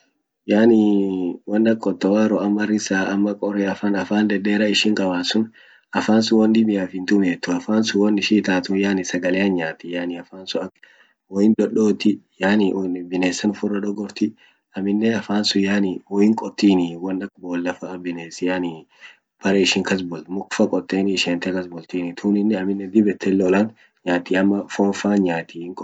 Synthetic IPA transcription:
jaːnɪwɐnːɐkʼːɔt̪ːɐwaːɾɔɐmːɐɾɪsaːɐmːɐkʼɔɾɛɐfaːnɐfaːnd̪ɛd̪eːɾɐɪʃɪŋkʼɐbaːsʊn | ʔɐfaːnsʊwɐnd̪ɪbɪjaːfɪnt̪ʊmeːt̪ːʊɐfaːnsʊwɐnɪʃiːt̪aːt̪ʊjaːnɪsɐɡɐleːɐnɲaːt̪ɪjaːnɪɐfaːnsʊɐk | wɔjɪnd̪ɔɗoːt̪ɪjaːnibɪneːsɐnʊfʊrːɐd̪ɔɡɔɾt̪ɪ | ɐmɪnːeɐfaːnsʊjaːnɪwɔjɪŋkʼɔt̪ːiːnɪwɐnːɐkboːlːɐfɐʔɐbɪneːsɪjaːni | pʰɐɾeɪʃɪŋkɐs̬bɔlmʊkfɐkʼɔt̪ʼːeːnɪʃeːnt̪ɛkɐsbɔlt̪iːnɪt̪ʰuːnɪnːɪɐmɪnːɛd̪ɪbɛt̪ʰːɛlːoːlɐn | ɲaːt̪iɐmːɐfɔːnfaːɲaːt̪iːɪŋkʼɔ

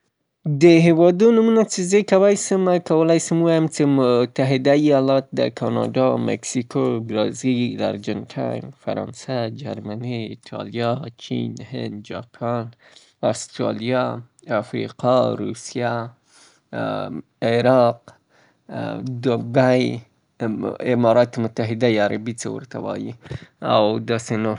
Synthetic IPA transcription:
d̪əɦɪwɑd̪onumunat͡sɪzəjkawajsəmakawəlajsəmwɑjamt͡semʊt̪aɦɪd̪aijɑlɑt̪̚d̪ə̰kʰɑnɑ̰dɑmḛksikobɾɑzilla̰ɾd͡ʒantʰa̰jmfa̰ɾɑ̰nsad͡ʒa̰ɾmaniɪt̪ʰɑ̰lijɑt͡ʃḭnhɪ̰nd̪d͡ʒɑpʰɑn | ast̪ɾɑ̰lijɑ | afɾḭqɑɾusija | eɾɑq | d̪obaj | ɪmɑɾɑt̪mʊt̪ːaɦɪd̪ajaɾa̰bit͡sewṵɾt̪ʰawɑ̰jia̰wd̪ɑseno

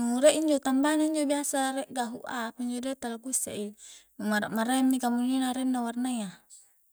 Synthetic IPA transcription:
muɾɛʔiɲd͡ʒot̪ambanaiɲd͡ʒobiasaɾɛʔɡaɦuʔapiɲd͡ʒodet̪alaɡusa̰ʔimumaɾa̰ʔmaɾɛmnikamuninaɾɛnːawarnaia

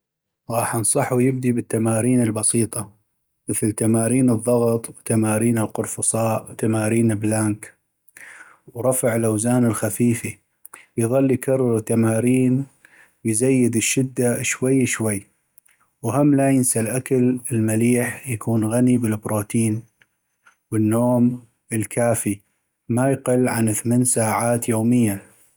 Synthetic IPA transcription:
ɾˤɑːħansˤɑħwjɪbd̪ibɪt̪ːamaːɾiːnɪlbɑsiːt̪ˤɑ | mɪθlt̪amaːɾiːnɨðˤːɑɣt̪ˤwt̪amaːɾiːnɪlqʊɾˤfʊsˤɑːʔwt̪amaːɾiːnɪblaŋk | wɾˤɑfaʕɪlʔawzaːnɪlxafiːfi | jðˤɑlːijkʰɑrˤːɑɾt̪ːamaːɾiːn | wjzajːɪd̪ɪʃːɪd̪ːaʃwajːʃwajː | whamːlajɪnsalʔakalɪlmaliːħjakʰuːnɣanibɪlbɾoːt̪ʰiːn | wɪnːoːm | ɪlkaːfi | majqɪlːʕanθmeːnsaːʕaːt̪joːmɪjːa

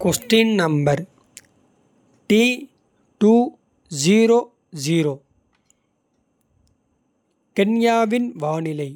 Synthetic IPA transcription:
kosʈinnɐmbɐɾ | ʈiː | ʈuː | d͡ʒiːɾoː | ziːɾoː | kenjaːʋɪnʋaːnɪlɐɪ

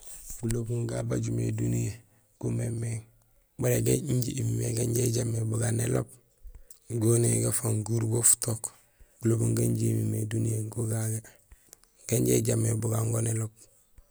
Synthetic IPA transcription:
ɡulobuŋɡabaɟumḛdunije | ɡ̥umemeŋ | baleɡeiɲɟiʔimimeɡaɲɟeɟamːebuɡanelo̰b̚ | ɡoneɡafaŋɡuɾbofu̥tok | ɡ̥ulobuŋɡaɲɟimimedunijeɡoɡaɡe | ɡ̥aɲɟḛɟamebuɡaŋɡonelob̚

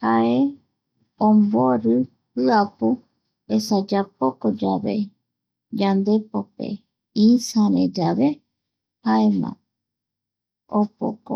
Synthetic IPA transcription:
haʔe | õmboɾɨ | ɨapu | esad͡ʒapokod͡ʒaβḛ | d͡ʒand̪epopḛ | isãɾḛ̃d͡ʒaβe | haemã̰ | opo̰ko

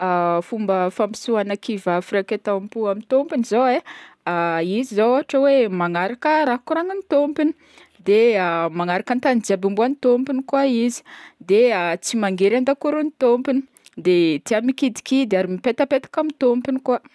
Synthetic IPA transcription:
afumbəfampi̥suanakivafiɾakʲet̪ampuamint̪ompinizowe | aizizoaʈ͡ʂəwemaŋaɾakəɾaɦkuɾaŋənit̪ompini | d̪eamaŋaɾakənt̪and͡ziabimbuanit̪ompinikwaizi̥d̪eat͡simaŋɡeɾand̪akuɾunit̪ompini̥ | d̪et̪iamikid̪i̥kid̪eaɾimipet̪əpet̪ḁkamit̪ompinika

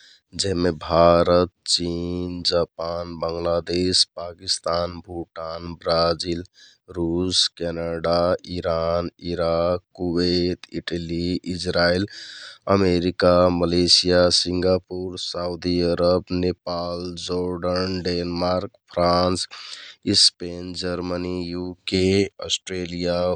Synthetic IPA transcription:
d͡ʒɛɦmebʱaɾət̪̚t͡ʃind͡ʒapanbəŋɡlad̪espakist̪anbʱuʈanbɾad͡ʒil | ɾuskɛnaɖaiɾaniɾakːuwet̪iʈəliid͡ʒɾailəmeɾikaməlesijasiŋɡapuɾsaud̪iəɾəbnepald͡ʒoɾɖənɖenmaɾkpʰɾãnsispend͡ʒəɾmənijukeɔsʈɾelija

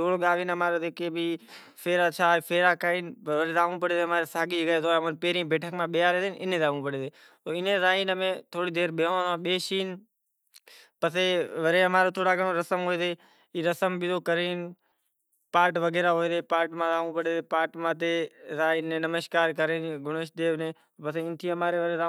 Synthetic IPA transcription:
oːɽoɠaːʋiːnəmaːɾoːd̪eːkeːbʱiː | fʰeːɾaːt͡ʃʰaːfʰeːɾaːkaiːnʋəɾeːd̪aːʋũːpəɽeːd̪emãːɾeːsaːɡiːd͡ʒəɡaːt̪oʋənpeːɾĩːbeːʈʰəkmãːɓɪjaːɾeːd̪eːnʔɪnẽːd̪aːʋũːpəɽeːd̪eː | t̪oːɪnẽːzaːiːnmẽːt̪ʰoːɽiːd̪eːɾɓeoãːɓeːʃiːn | pəseːʋəɾeːəmaːɾoːt̪ʰoːɽaːɡəɳ̃õːɾəsəmɦoːeːd̪eː | iːɾəsəmbɪd̪oːkəɾeːn | paːɾʈʋəɡeːɾaːɦoːeːd̪eːpaːɾʈmãːd̪aːʋũːpəɽeːt̪eːpaːʈmãːt̪̬eːzaːiːnẽːnəməʃkaːɾkəɾeːnɡʊɳeʃd̪eːʋnẽː | pəsẽːɪ̃nt̪ʰĩːəmaːɾeːʋəɾeːdaː

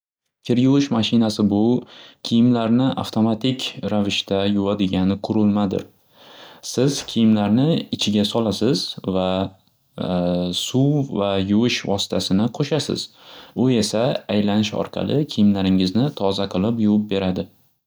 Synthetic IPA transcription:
kʲʰɪɾjʊwɪʃmaʃɪnasɪbʊkʲʰijɪmlaɾnɪʔa̰ft̪ʰo̞mat̪ʰɪkʲʰɾavɪʃt̪ʰajʊvad̪ɪɡʲanɪqʰʊɾɪlˠmad̪ɪ̰ɾ | sɪz̥kʲʰijɪmlaɾnɪɪt͡ʃʰɪɡʲasɒlasɪzva | suwvajʊwɪʃvɒsɪ̥t̪ʰasɪnɪqʰoʃasɪ̰z̥ | ʊe̞saːjlanɪʃɒ̰ɾqʰɑ̰lˠʔɪkʲʰijɪmlaɾɪŋɪznɪt̪ʰɒzaqʰɨlˠɪpjʊwɪp̚be̞ɾad̪ɪ

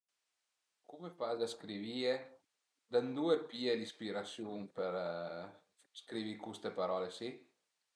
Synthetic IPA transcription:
kumefazd̪askɾivie | d̪and̪uːepiːelispiɾasjunpeɾ | skɾivikust̪epaɾɔːlesi

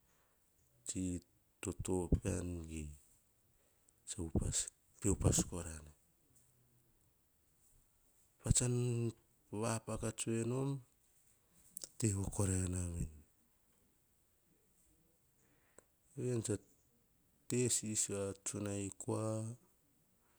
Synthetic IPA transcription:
t͡ʃi | totopea̰nɡi | t͡ʃaupas | pewpaskoɾane | pat͡ʃan | βapakat͡ʃueno̞m | teβoko̞ɾaanamen | ejant͡ʃa | tesisat͡ʃunajkoa

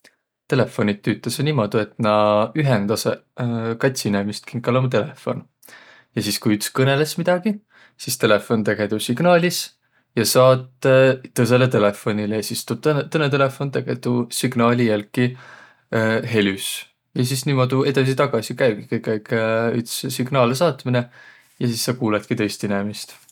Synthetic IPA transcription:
t̪e̞le̞fːo̞nit̪ːyt̪ːˑesnimod̪ue̞t̪ˑnɑyɦend̪̥ɑsekɑt̪ʲsinemist̪̚kiŋkːɑlomt̪̬e̞le̞fo̞̰n | jɑsiskujyt̪ːskɤne̞le̞smid̪̥ɑɡ̥i | sist̪e̞le̞fo̞nt̪eɡ̥e̞d̪usiɡ̥nɑːlʲis | jɑsɑːt̪ːɤs̬e̞le̞t̪e̞le̞fo̞nʲilesist̪ub̥̚t̪nt̪ɤnːet̪e̞le̞fo̞nt̪eɡ̥et̪usiɡ̥nɑːlʲijælkːi | ɦe̞lʲys | jɑs̬isnimod̪ue̞d̪ɑs̬it̪ɑɡ̥ɑsikæjbɡi̥kɯjkːæjkyt̪ssiɡnɑːlesɑːt̪mine | jɑsisːɑkuːlet̪̚kit̪ɤ̞jst̪inemist̪

